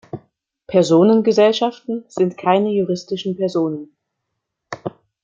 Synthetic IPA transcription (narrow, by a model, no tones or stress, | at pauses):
pʰɛɐzoːnənɡəzɛlʃaftn̩z̥ɪntkʰaɪnəjuʁɪstɪʃn̩pɛɐzoːnən